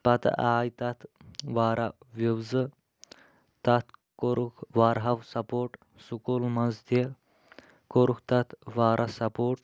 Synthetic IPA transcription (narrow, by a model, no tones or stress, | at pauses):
pɐt̪ɐ̰ʔaːjt̪ɐt̪ʰʋaːɾɐ | ʋiwzɨ | t̪ɐt̪ʰkoɾukʰʋaːɾɦɐʋsɐpoːʈ | sukuːlmɐzd̪e | koɾukʰt̪ɐt̪ʰʋaːɾʔɐsɐpoːʈ̚